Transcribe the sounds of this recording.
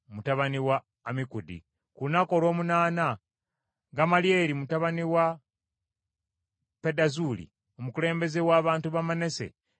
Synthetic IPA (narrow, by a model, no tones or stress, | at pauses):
mutaβaniwaː | mikudḭ | kunako̞ːlwo̞ːmunaːna | ɡamalje̞ːɾimutaβaniwa | pedazuːlḭ | o̞mukule̞ːmbe̞zewaːβaːntuβamane̞se̞̰